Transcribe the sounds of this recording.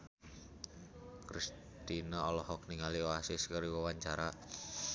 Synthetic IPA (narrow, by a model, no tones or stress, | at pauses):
kɾis | t̪inaɔlɔhɔk̚niŋalioasɪskaɾiwawaɲt͡ʃaɾa